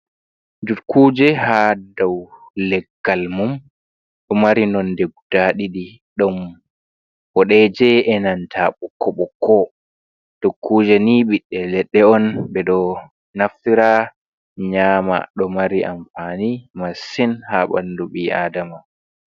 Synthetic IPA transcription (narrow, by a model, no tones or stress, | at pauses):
dukʰːuːd͡ʒɛhadɔwlɛɡːalmum | ɗɔmaɾinɔndɛɡ̚ud̥aɗiɗi | ɗɔm | bɔɗɛd͡ʒɛɛnantʰaɓɔkːɔɓɔkʰːɔ | d̥ukːud͡ʒɛniɓiɗːɛlɛɗːɛɔnbɛɗɔ | naftiɾa | ɲaːma̰ɗɔmaɾiʔa̰mfanimasinhaɓa̰nduɓia̰ːdama